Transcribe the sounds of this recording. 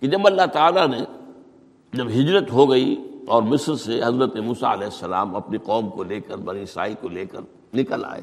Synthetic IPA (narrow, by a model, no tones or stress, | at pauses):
kid͡ʒɐbɐlːaɦt̪aːlane | d͡ʒɐbɦɪd͡ʒɾət̪ɦoɡɐiɔːɾmɪsɾseɦɐzɾət̪emuːsa̰ɐlɛːɪsːɐla̰ːmɐpniqɔːmkoleːkəɾbɐɾiːsa̰ːikoleːkəɾ | nɪkəla̰ːḛː